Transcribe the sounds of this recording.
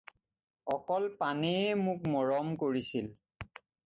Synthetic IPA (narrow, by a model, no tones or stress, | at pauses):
ɔkɔlpaniɛmʊk̚mɔɹɔmkoɹisil